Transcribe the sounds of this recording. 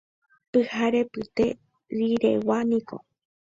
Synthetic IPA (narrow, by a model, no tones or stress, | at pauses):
pɨhaɾe̞pɨt̪e̞ | ɾiɾḛwanĩko̰